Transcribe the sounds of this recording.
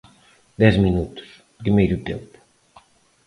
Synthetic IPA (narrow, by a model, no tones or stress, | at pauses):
d̪ɛzminut̪u̥s | pɾimejɾut̪empu̥